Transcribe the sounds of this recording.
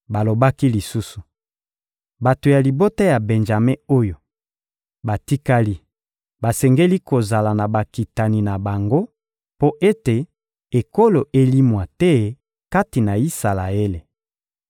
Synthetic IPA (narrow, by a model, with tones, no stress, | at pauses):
ba˨lo˨ba˦ki˦li˨su˦su˨ | ba˨to˨ja˨li˨bo˦ta˦ja˨be˨nʒa˨me˦o˦jo˨ | ba˨ti˦ka˦li˦ | ba˨sɛ˨ŋɡe˦li˦ko˨za˨la˨na˨ba˨ki˨ta˨ni˨na˨ba˨ŋɡo˦ | po˦ʔe˦te˨ | e˨ko˦lo˨ʔe˦li˦mwa˨tɛ˦ | ka˦ti˨na˨i˦sa˨la˨e˦le˨